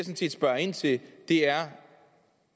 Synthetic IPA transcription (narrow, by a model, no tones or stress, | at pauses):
snsʰḭːd̥sb̥ɶɐe̝n̰t͡sʰe̝ld̥e̝æɐ